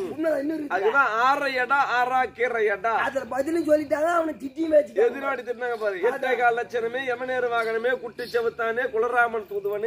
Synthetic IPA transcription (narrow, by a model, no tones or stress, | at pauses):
ʊnːɐɪnːɐɾɪɐðkːɐt̪ãːaːɾɐjɐɽaːaːɾaːkeːɾɐjɐɽaːɐðɐbɐðɪlɯsɔlːɪʈːaːŋɡɐːʋɐnɐt̪ɪʈːiʋeːt͡ʃːɯʈːeðɪɾɐɐɽit̪ːɪʈːɯnaːŋɡɐpaːɾɯŋɡɐɛtːɐkaːlːɐt͡ʃːɐnɐmeːɛmɐneːɾɯʋaːɣɐnɐmeːkʊʈːɪt͡ʃːɐʋɯt̪ːaːneːkʊlɐɾaːmɐnt̪uːnðɯʋɐnɯ